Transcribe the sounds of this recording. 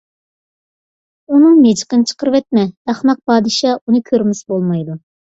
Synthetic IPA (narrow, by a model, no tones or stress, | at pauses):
unɨŋmed͡ʒqənt͡ʃʰə̥qəɾvɛt̪̚mɛd̪ɑχmɑq̚pʰɑːd̪ɨʃɑːunɨkʲʰøɾmɪsbolˠmɑjd̪u